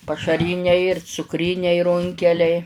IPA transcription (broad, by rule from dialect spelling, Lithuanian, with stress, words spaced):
pɐʃɐˈrʲiːnʲɛɪ ɪr t͡sʊkˈrʲiːnʲɛɪ ˈrʊŋʲkʲɛlʲɛɪ